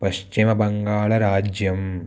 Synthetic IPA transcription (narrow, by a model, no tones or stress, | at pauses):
pɐʃt͡ʃimɐbɐŋɡaːɭɐɾaːd͡ʒjɐm